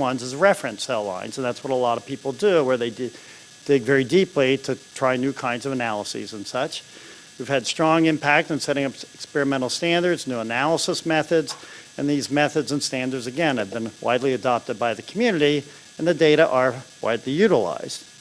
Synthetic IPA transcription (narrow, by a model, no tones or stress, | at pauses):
wʌ̃nzɨzɹɛfɹɨ̃nsɛlˠã̰ɪ̃nz̃n̩ðætswʌɾəlɔɾʌv̥pʰipl̩ˠdɨwə˞ðeɪ | d̥ɪɡvɛɹidipliɾɨtʰɹ̥aɪnʉkʰãɪ̃ndzʌvɨnælˠəsḭzɨ̃nsʌt͡ʃ | jʉv̥ɨd̥stɹ̥ɔ̃ŋɪ̃mpʰæk̚tɨ̃nsɛɾɪ̃ŋʌpɨkspɛɹɨmɛ̃ɾ̃l̩ˠstæ̃ndə˞dznʉənælˠəsəsmɛθɨdz | ɨ̰̃nðizmɛθɨdzə̃nstæ̃ndə˞dzɨɡɛ̃nɨvbɨ̃nwa̰ɪdˡliɨdɑp̚tɨd̚baɪðɨkʰmjʉnɨɾi | ɨ̃nðɨdeɪɾəʔə˞wa̰ɪdˡlijʉɾəla̰ɪz̥d̥